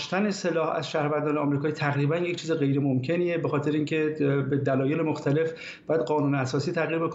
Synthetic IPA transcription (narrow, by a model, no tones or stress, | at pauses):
ʃt̪æne̞se̞lɒːhæ̰zʃæhɾvænd̪ɒːneɒːmɾiːkʰɒːiːt̪ʰæɣɾiːbænje̞ct͡ʃʰiːzeɣe̞jɾemomcʰeniːebexɒːt̪ʰeɾeiːŋcʰe̞bed̪ælɒːje̞lemo̞xt̪ʰæle̞f | bbɒːjæd̪̚ɢɒːnuːneæsɒːsiːt̪ʰæɣiːɾbek